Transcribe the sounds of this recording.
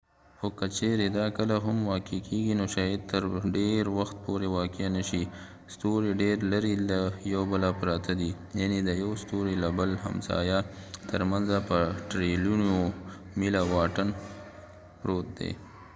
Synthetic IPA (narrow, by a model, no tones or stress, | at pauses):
xokət͡ʃeɾed̪ɑkəlaɦʊmwɑkekeɡinoʃɑjad̪̚t̪əɾɖeɾwaxt̪̚poɾewɑkjanaʃi | st̪oɾeɖeɾlaɾilajawbəlapɾɑt̪ʰad̪i | janed̪əjawst̪oɾelabəlɦa̰msɑ̰jat̪ʰəɾmanzapəʈɾeluno | milawɑʈən | pɾot̪̚d̪ḛ